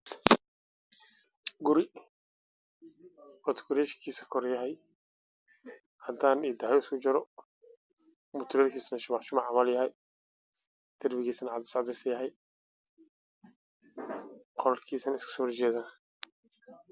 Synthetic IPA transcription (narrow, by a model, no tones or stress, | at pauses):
ɡʊɾɪ | wɔt̪ʰkʊɾɛːʃkʰiːsɐkʰɔɾjɐɦɛj | hɐd̪aːniːd̪aːjɔɪskʰʊd͡ʒɐɾɔ | mʊt̪ʰʊɾɛrkʰiːsnɐʃʊmaħʃʊmaʕamɐljɐɦɛj | d̪̥ɐrbɪɣiːsɐnʕad̪ɐ̥saʕd̪ɛsɐjɐɦɛj | qʰɔɾɐlkʰiːsɐnɪskʰʊ̥sɔːhɔrt͡ʃɛːðaːn